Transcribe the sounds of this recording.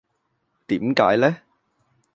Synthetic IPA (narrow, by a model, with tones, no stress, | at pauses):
t̪iː˨˥mkaː˨˥jlɛː˥